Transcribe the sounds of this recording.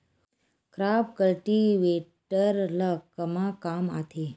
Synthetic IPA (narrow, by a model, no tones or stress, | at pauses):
kɾapkəlʈiʋeʈəɾləkːəmakama̰t̪ʰe